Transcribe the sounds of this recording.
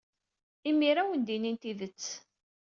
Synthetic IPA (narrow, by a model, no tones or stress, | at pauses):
imːiɾawənd̪inint̪iðət͡sː